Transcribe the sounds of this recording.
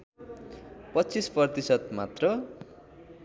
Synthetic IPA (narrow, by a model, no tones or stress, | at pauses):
pʌtːt͡sisprʌrt̪isʌt̪mat̪rʌ